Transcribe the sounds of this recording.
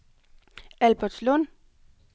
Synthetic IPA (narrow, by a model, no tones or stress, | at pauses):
ælb̥ɐd̥slɔn